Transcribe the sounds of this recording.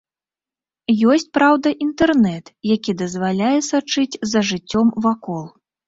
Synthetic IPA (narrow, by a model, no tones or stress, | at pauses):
jɔsʲt͡sʲpɾawd̪ɐʔint̪ɛrnɛt̪jakʲid̪ɐzvalʲajɛsat͡ʂɨt͡sʲzɐʐɨt͡sʲːɔmvakɔlˠ